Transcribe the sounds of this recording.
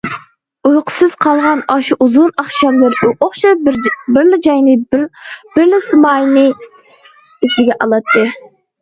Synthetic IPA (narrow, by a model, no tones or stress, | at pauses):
ujqʰʊ̥sɨz̥qʰɑlˠʁɑnɑʃuʔuzʊnɑχʃɑmlɪɾʊʔoχʃɑbɪɾlɪd͡ʒɑjnɨ | b̥ɪɾlɪsɨmɑjnɨ | isɪɡʲɛʔɑlˠɑt̪ːɨ